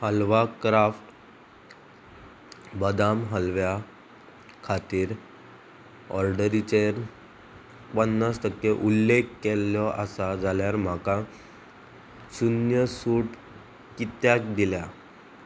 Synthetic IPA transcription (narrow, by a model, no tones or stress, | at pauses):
həlʋakɾafʈ | bəd̪amɦəlʋja | kʰat̪iːɾ | ɔ̰ɾɖəɾit͡ɕeɾ | pənːast̪əkːeʔulːekːeljɔʔasad͡zʱaljaɾm̤aka | sunjəsuːʈ | kit̪jak̚d̪ilja